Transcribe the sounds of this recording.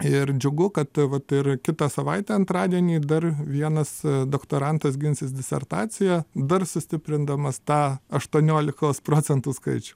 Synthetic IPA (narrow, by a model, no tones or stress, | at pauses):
ɪɾd͡ʒʲʊɡʊkɐt̪ʋɐt̪ɪrkʲɪt̪ɑsɐʋɐɪt̪ʲæːɐnt̪ɾɑːd̪ʲiɛnʲiːd̪ɐrʋʲiɛnɐsd̪oːkt̪oːɾɐnt̪ɐsɡʲɪnʲsʲɪsd̪ʲɪsʲɛ̰rt̪ɑːt͡s̪ʲɪjɛd̪ɐrsʊsʲt̪ʲɪpʲɾʲɪnd̪ɐmɐst̪ɑːɐʃt̪uɔnʲoːlʲɪkoːspɾoːt͡sʲɛnt̪uːskɐɪt͡ʃʲʊ